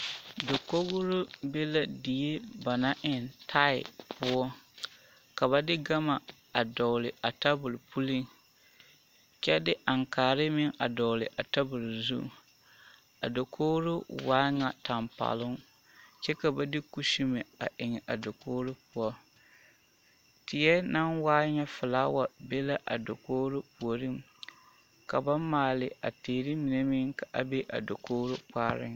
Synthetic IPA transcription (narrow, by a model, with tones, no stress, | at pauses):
do˨ko˦ɣʊ˦ɾʊ˦be˦la˦di˨e˦ba˨na˦ʔɪ˨ntʰa˦ɪ̰˨pʰʊ˦ɔ˦ | ka˨βa˨dɪ˦ɡa˦ma˨ | a˨dɔ˨lɪ˨a˨ta˦bʊ˨lpu˦li˦ŋ | t͡ʃɛ˦dɪ˦ʔa˨ŋkaː˨ɾɪ˦mɪ˦ŋa˨dɔ˨lɪ̰˨ʔa˨ta˦bʊ˨lzṵ˦˨ | a̰˨do˨kʰo˦ɣɾʊ˦waː˦ŋa˨ta˨mpa̰ː˨lʊ˦ŋ | t͡ʃɛ˦ka˨ba˦dɪ˦ku˦ʃi˦me˨a̰˨ʔɪ˨ŋɛ˨ʔa˨do˨koː˦ɾʊ˦pʊ˦ɔ˦ | tɪ˨jɛ˦na˦nwaː˦ɲɛ˦fʊ˨laː˦wa˨be˦la˦ʔa̰˨do˨koː˦ɾʊ˦pu˨o˨ɾɪ˦m | ka˨ba˦maː˨lɪ˨a̰˨teː˨ɾɪ˦mi˨ne˦mɪ˦ŋka˨ʔa˨be˦ʔa̰˨do˨koː˦ɾʊ˦k͡pa̰ː˦ɾɪ̰˦ŋ